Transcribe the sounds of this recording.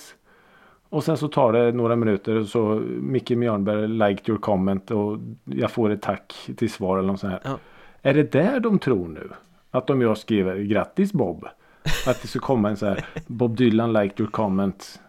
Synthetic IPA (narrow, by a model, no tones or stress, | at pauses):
ɔsɛnsɔt̪ʰɑːɖɛnoːɾamɪnʉ̟ːt̪əɾɔsɔmɪkːəmɪjœːɳbæɾlaɪkt̪ʰjɔɾkʰɔmːɛnt̪ɔjɑɡfoːɾɛt̪ʰːakːt̪ʰɪlsvɑːɾɛlənɔtsɔnhæːɾæɖɛd̪æɖɔmt̪ʰɾuːɳʉ̟̰ː | at̪ːɔmjɑːskɾiːvəɾɡɾat̪ːɪsbɔbː | at̪̚d̪ɛskakʰɔmːaɛnsahæːɾbɔb̚d̪ʏːlanlaɪkt̪ʰjɔɾkʰɔmːɛnt̪